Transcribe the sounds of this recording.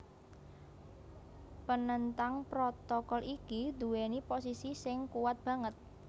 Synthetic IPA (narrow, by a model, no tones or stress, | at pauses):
pənənt̪aŋpɾot̪ɔkɔlʔikid̪ṳweniposisisɪŋkuwat̪̚b̥ä̤ŋət̪̚